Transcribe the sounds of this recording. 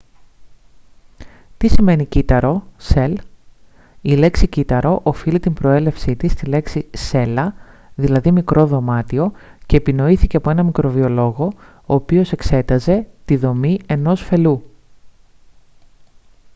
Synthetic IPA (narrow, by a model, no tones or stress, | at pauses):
t̪isime̞nicit̪ɐɾo̞se̞l | ile̞ksicit̪ɐɾo̞ʔofilit̪imbɾo̞e̞le̞fsit̪ist̪ile̞ksise̞lɐ | ðilɐðimikɾʔo̞ðo̞mɐt̪io̞ce̞ːpino̞iθiceɐpo̞e̞nɐmikɾo̞vio̞lo̞ɣo̞ | oːpio̞se̞kse̞t̪ɐze̞t̪iðo̞mieno̞sfe̞lu